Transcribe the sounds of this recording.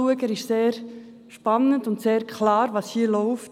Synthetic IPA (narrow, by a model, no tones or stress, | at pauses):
uəɡəɾɪʃseːɾ | ʃpɑnːəndʊntseːɾkχlɑːɾʋɑːshiːəlɔʊft